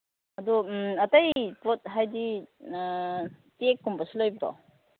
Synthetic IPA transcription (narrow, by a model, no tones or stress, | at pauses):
ɐdɔɐtajpɔt̚ɦajdi | tekːumpɐsilojbiɾɔ̰